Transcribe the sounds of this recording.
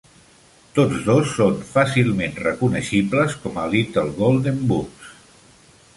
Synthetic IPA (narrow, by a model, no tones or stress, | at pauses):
t̪od͡zðosːonfasilˠmenrəkunəʃibləskɔmalit̪əlˠɣolˠd̪əmbuks